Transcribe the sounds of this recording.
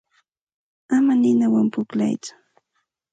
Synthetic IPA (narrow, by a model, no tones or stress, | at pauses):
amanɪnawampʊkla̰jt͡sʊ̥